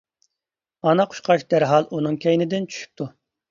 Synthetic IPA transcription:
ɑnɑqʰʊ̥ʃqʰɑʃd̪æɾɦɑlˠʔunɨŋkʲʰɛjnɪd̪ɪnt͡ʃʰy̥ʃy̥p̚t̪ʰu

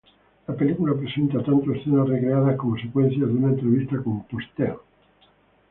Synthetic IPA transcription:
lapelikulapɾesent̪at̪ant̪oesθenarekɾeaðakomosekwen̟θjaðunaent̪ɾeβist̪akompost̪el

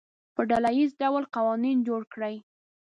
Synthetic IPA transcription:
pəɖalajizɖawlqawɑnind͡ʒoɽkɽəj

